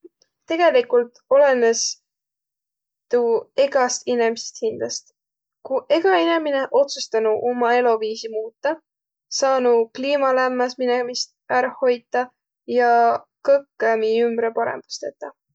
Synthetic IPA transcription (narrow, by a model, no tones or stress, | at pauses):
t̪e̞ɡ̥e̞likult̪ˑo̞lenes | t̪ue̞ɡ̥ɑst̪inemise̥st̪hind̪̥lɑst̪ | kuʔe̞ɡ̥ɑine̞mine̞ʔo̞t̪sust̪ɑnuʔomɑe̞lo̞viːsimuːt̪ːˑɑ | sɑːnukliːmɑlæmːɑsminemist̪̚æɾɑho̞jd̪ˑɑ | jɑkɤkːˑemiymbɾepɑɾḛmb̥u̥st̪et̪ːˑɑ